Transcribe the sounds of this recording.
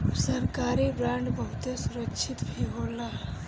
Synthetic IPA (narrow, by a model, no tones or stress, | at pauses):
səɾkaɾibɾaɳɖbəɦut̪esuɾəkt͡ʃʰit̪bʱiɦola